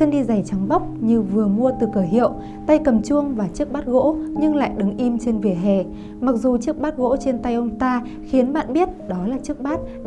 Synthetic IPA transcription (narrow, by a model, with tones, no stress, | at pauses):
ɨ˧əŋɗi˧za˨˩jt͡ɕa˨˦ŋɓa˦˥wk͡p̚ɲɨ˧vɨ˨˩əmu˧ət̪ɨ˨˩kəː˧˩ɦḭ˧˨əw | t̪a˧jkə˨˩mt͡ɕu˧əŋvaː˨˩t͡ɕɨ˦˥ək̚ɓaː˦˥t̚ɣo̰˧˥ɲɨ˧ŋla̰ː˧˨jɗɨ˨˦ŋʔi˧mt͡ɕe˧nvi˨˩əɦɛ˨˩ | ma˨˩k̚zu˨˩t͡ɕɨ˦˥ək̚ɓaː˦˥t̚ɣo̰˧˥t͡ɕe˧nt̪a˧jʔə˧wŋ͡mt̪aː˧ | xi˨˦ənɓa̰ː˧˨nɓi˦˥ət̚ɗɔ˨˦laː˨˩t͡ɕɨ˦˥ək̚ɓaː˦˥t̚